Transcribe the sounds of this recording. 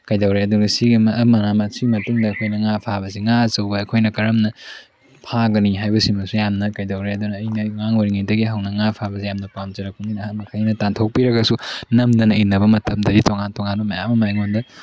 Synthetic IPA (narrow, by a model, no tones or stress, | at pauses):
kɐjdɐwɾeɐduɡɐsiɡimɐɐmɐnamɐsimɐtuŋdɐːkʰojnɐŋapʰabɐsiŋaɐt͡ʃɐwbɐɐkʰojnɐkɐɾɐmnɐ | pʰaɡɐniɦajbɐsimɐsujamnɐkɐjdɐwɾeɐdunɐːjnɐŋaŋwoɾiŋɐjdɐɡiɦawnɐŋapʰabɐsijamnɐpamd͡ʒɐɾɐkːuŋninɐhatmɐkʰanɐtantʰok̚piɾɐɡɐsunɐmdɐnɐinɐbɐmɐtʰɐmdɐditoŋantoŋanbɐmɐjamɐmajŋondɐ